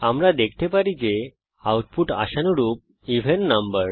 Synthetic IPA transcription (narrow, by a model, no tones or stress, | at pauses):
amlad̪ekʰʈ̪ʰepaɾid͡ʑe | awʈ̚puʈa̰ɕanuɾuːp̚ | iʋ̤ʱeɳʈnəmbəɾ